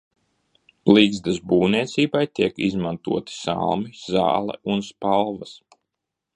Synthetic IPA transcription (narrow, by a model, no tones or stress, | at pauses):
liːɡzd̪asbuːniɛt̪siːbajt̪iɛkizmant̪uɔt̪i̥sa̰lˠmiza̰ːlˠɛ̰unspalˠvɐs